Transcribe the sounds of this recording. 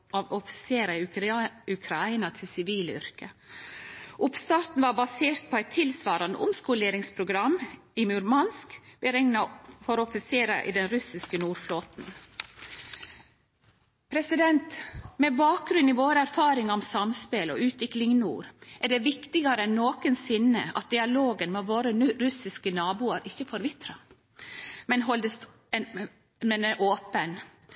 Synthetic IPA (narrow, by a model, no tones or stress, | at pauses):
ɑʋɔfɪ̥seːɾɑ | ʉkʰɾɑɪnɑt̪ʰɪlsɪʋiːləʏ̰ɾkə | ʔʊpst̪ɑːɾt̪n̩ʋɑɾbɑseːɾt̪̚pʰɔæɪt̪ʰːɪlsʋɑːɾɑnə̰ʔʊ̰mskuːleːɾɪŋspʰɾʊɡɾɑmː | ɪmʉɾmɑnskbəɾɛŋnɑfɔɾɔfɪseːɾɑ̰ʔɪ̰d̪ɛnɾʉsɪskənuːɾfloːt̪n̩ | pʰɾɛsɪd̪ɛnt̪mɛbɑːk̚ɡɾʉnːiʋoːɾəæɾfɑːɾɪŋɔmsɑmspeːlɔ̰ʔʉːt̪ʋɪklɪŋnṵːɾʔæɖɛʋɪkt̪ɪɡɑɾəɛnːoːkənsɪnːə̰ɑ̰t̪̚d̪ɪɑloːɡənmɛʋoːɾəɾʉsɪskənɑːbuːɑɾʔɪçːəfɔːɾʋɪt̪ɾɑ | mɛnɦɔld̪əs | mɛnɛʔoːpən